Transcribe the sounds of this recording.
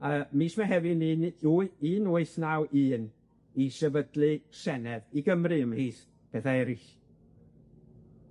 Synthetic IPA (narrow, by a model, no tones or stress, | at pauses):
əːmiːsmaɦɛvɪninuiːnuːɨθnawʔɨːn | isɛvədlˠɨsɛnɛviɡəmrɨəmiːθ | b̥ɛθaɛɾɪɬ